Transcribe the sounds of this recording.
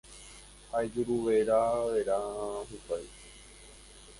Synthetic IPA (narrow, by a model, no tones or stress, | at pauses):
haed͡ʒuɾuʋeɾaʋeɾaɦupaj